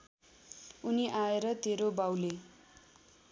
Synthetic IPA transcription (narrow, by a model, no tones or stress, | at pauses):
uniʔaeɾʌt̪eɾobawle